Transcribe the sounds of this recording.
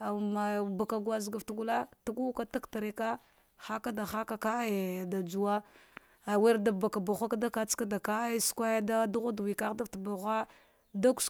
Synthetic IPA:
a˨ma˨ba˨ka˨ɡa˦zɡa˨ftɡu˦la˦ta˦ɡu˦ka˦ta˦kta˨ɾe˨ka˦ | xa˦ka˦da˨xa˦ka˦ka˦˨da˨d͡ʒu˨wa˦ | a˨we˦ɾda˨ba˨ka˨ba˨xʷa˦ka˦da˦ka˦t͡ska˦da˨ka˦skʷa˦ja˦da˦du˦ɣa˦dwi˨ka˦ɣda˦ftba˨ɣʷa˦ | da˦ku̥˦s

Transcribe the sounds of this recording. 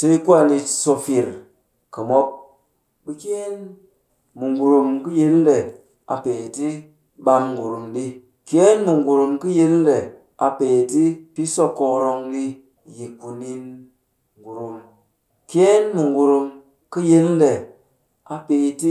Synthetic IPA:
tə˧i˦ku˦a˨ni˧˨so˧fi˨ɾ | kə˨mo˦p̚ | bɨ˦ke˦n | mu˨ŋɡu˨ɾu˧mki˦ji˦n˦de˨ | a̰˨peː˨ti˦ | ɓa˧mŋɡu˨ɾu˨mɗi˦ | kʲe˦nmu˨ŋɡu˨ɾu˧mkɨ˦ji˦n˦de˨ | a˨peː˨ti˦pi˦so˦ko˧ɾo˧ŋɗi˦ | ji˨ku˧ni˦n | ŋɡu˨ɾu˨m | ke˦nmu˨ŋɡu˨ɾu˧m | kɨ˦ji˦n˦de˨ | a˨peː˨ti˦

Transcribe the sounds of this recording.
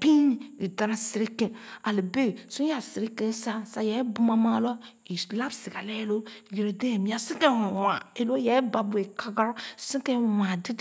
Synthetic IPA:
pĩ˦i˨da˨ɾa˨si˨ɾi˦kẽ˨a˨li˨be˦sũ˦a˨si˨ɾi˦kẽ˦sa˦sa˨jɛ˨˦bu˦ma˦mã˦lɔ˦ | i˨la˦bsi˨ɡa˨lɛ˦lo˦˨ji˨ɾe˨de˦˨mĩ˦a˨sĩ˦ke˦˨u˨wa˨e˨lo˦jɛ˨˦ba˨bu˨e˨ka˦ɡa˦ɾsĩ˦kẽ˦˨mã˨di˦d

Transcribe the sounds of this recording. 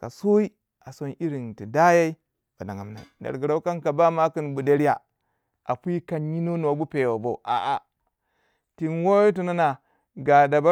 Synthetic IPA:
ka̰˨so˦i˦ | a˨so˦nʔi˦ɾi˨nti˨da˦ja˦i˦ | ba˨da˨ŋa˨mna̰˨da̰˨ɾɡi˨ɾa˦u˦ka˦nka˨ba˦ma˦ki˦nbu˨da˦ɾi˦ja˨ | ʔa˨pi˦ka˦nji˦no˦n˨a˨bu˦pe˨wo˨bo˨ʔa̰˨ʔa˨ | ti˨nwo˦ji˦t̬u˨na˦na˨ | ɡa˨da˨ba˦

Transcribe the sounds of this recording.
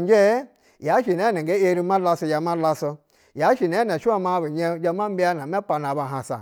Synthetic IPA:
n˦d͡ʒe˦ | ja˨˦ʃi˨ne˨˦ne˨ŋɡe˦e˦ɾi˦ma˦la˦so˦ja˨ma˦la˦so˦ | ja˨˦ʃi˨ne˦ne˨ʃu˦a˦ma˦bi˨ɲe˦d͡ʒa˦ma˦m̩˦bi˦a˦na˨me˦k͡pa˨na˨ba˨ɦa˨sa̰˨

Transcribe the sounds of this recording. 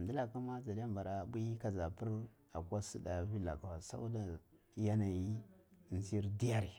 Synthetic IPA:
ndi˦la˨ka˦ma˦za˨di˦a˦mba˨ɾa˨bi˦ka˨za˨pu˦ɾ | a̰˨kʷa˦su˦da˨vi˦la̰˨ka˨wa˨sa̰˦u˦da˨ | ja˦na˨ji˦˨nzi˦ɾdi˦ja˦ɾi˨

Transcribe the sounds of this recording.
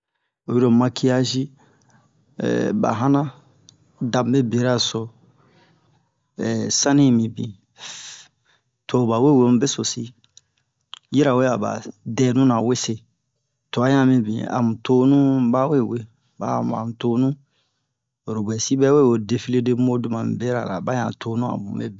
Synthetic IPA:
o˨ji˦ɾo˨mã˧kʰi˦a˦ʒi˦˨ | ba̰˨ɦã˦nã˦ | dã˨m˨be˦be˨ɾa˦˨so˨ | ɛ˨sã˦nĩ˦˨mĩ˨bḭ̃˨ | tʰo˨ba˨we˦˨we˨˦mũ˦be˦so˨si˦ | ji˦ɾa˨we˦a˨ba̰˨dɛ˦˨nũ˦nã˨we˦se˦ | to˨a˨˦ɲã˦˨mĩ˨bḭ̃˨a̰˨mũ˨to˦nũ˦ba˦we˦˨we˨ | ba˦˨m˨a̰˨mũ˨to˦nũ˦˨ | ɾo˨bɛ˨si˦bɛ˦we˦˨wo˨de˨fi˦le˦de˦mo˦du˦mã˨mi˨be˦ɾa˨la˨ba˦ɲã̰˨tʰo˦nũ˦a̰˨bṵ̃˨ḛ˦bi˨

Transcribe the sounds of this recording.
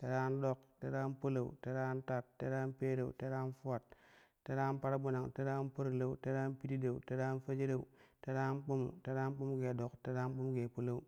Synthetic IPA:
te˦ɾa˦ndo˦kte˦ɾa˦npo˦la˨ṵ˨te˦ɾa˦nta˦˨tːe˦ɾa˦npe˦ɾe˨ṵ˨te˦ɾa˦nfu˦a˨t̚ː | e˦ɾa˦npa˦ɾa˦bu˦na˨ŋte˦ɾa˦npo˦ɾla˦u˦te˦ɾa˦npi˦ti˦de˨u˨te˦ɾa˦nfa˦d͡ʒi˦ɾe˦ṵ˨te˦ɾa˦nk͡po˦mṵ˨te˦ɾa˦n˦k͡pu˦m˦ɡe˨do˨kte˦ɾa˦n˦k͡pu˦m˦ɡe˨po˦la˦u˦

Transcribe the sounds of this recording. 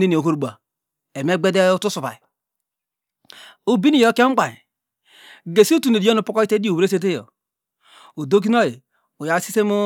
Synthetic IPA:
ne˦ni˨o˨ɦo˦ɾu˨ɡ͡ba˨ | e˨me˦ɡ͡be˦de˦u˦tu˦su˨pa̰˨i˨ | o˨bi˦ni˨jo˦ke˦ŋ͡m̩˦k͡pa˨ɲ˨ | ɡe˨si˦u˦tu˨ne˨di˨˦o˦nu˨pu˦kɔ˦i˦te˦di˦o˨we˦s̬e˦t̬e˦jo̰˨ | o˨do˦k̬i˦n˦o˦ji˨ | u˨ja˨˦si˦se˦mu˦

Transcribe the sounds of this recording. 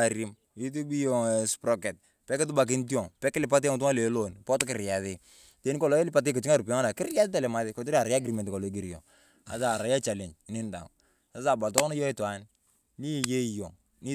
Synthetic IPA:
a˨ɾi˨˦m | i˦t̬i˦bi˦jɔ˨spɾɔ˦kɛ˨t̚ | pɛ˦kɪ˦t̬ʊ˦ba˨k̬ɪ˦nti˦ɔ˨ŋpɛ˦kːɪ˦lɪ˨p̬a˦t̬e˦ŋ˨t̬u˦a˦le˨˦lo˦˨npɔ˦tkɪ˨ɾja˨ðɪ˦ | te˨˦ni˦kɔ˨lɔ˦lɪ˦pa˦t̬e˦kɪ˨t͡ʃi˦ŋa˦ɾpɔ˦ŋa˦na˨kɪ˦rja˦tɪ˦ta˨lɛ˨ma˦ðɪ˦kɔ˨tɔ˦ɾi˦a˨ɾa˨˦a˦ɡɾi˨mɛ˨ntɪ˨kɔ˨lɔ˨i˦ɡi˨ɾi˨jɔ̰˨ | a̰˨a˨ɾa˨˦ja˦t͡ʃa˨lɛ˨nt͡ʃɪ˨nɪ˦nda̰˨ | sa˦sa˦˨ba˨tɔ˦nɔ˦jɔ˦i˦twa˨˦n | li˦˨je˦˨jɔ˨ŋ | ni˦

